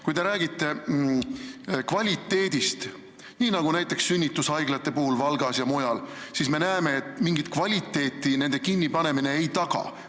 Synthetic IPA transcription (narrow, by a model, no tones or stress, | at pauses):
kujd̪e̞ɾæːɡit̪ːe̞ | kvɑlʲit̪ːe̞ːd̪̥ist̪ | niːnɑɡ̥unæjt̪ːˑe̞ksːynʲːit̪ːˑushɑjɡlɑt̪ːˑe̞puhulvɑlɡɑsjɑmojɑlsisme̞næeme̞ːt̪ːˑmiŋɡit̪kvɑlʲit̪ːˑe̞ːt̪ːˑine̞nd̪e̞kinʲːipɑne̞mine̞ejt̪ɑɡ̥ɑ̰